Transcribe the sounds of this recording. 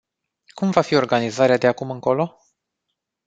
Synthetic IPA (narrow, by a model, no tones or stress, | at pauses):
kumvafio̞rɡanizaɾead̪eakumɨŋko̞lo̞